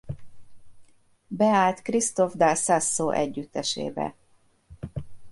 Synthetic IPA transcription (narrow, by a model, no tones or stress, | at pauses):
bɛaːlt̪krist̪ovd̪asasːoːʔɛɟːyt̪ːɛʃḛːbɛ̰